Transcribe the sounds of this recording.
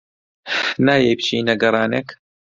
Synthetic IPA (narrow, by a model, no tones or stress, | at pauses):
naːjejpt͡ʃiːnɐɡɐrˤɑːneːk